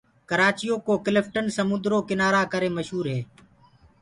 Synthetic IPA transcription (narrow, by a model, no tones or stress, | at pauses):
kəɾaːt͡ʃijoːkoːkɪlɪfʈənsəmʊ̃nd̪ɾoːkɪnaːɾaːkəɾeːməʃɦuːɾɦeː